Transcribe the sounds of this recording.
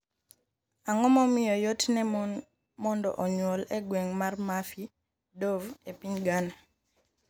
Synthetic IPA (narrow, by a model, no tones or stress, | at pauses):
aŋɔmɔmɪjɔjotnɛ | mɔndɔ̰ʔɔɲwɔlɛɡweŋmarmafi | dovepiɲɡana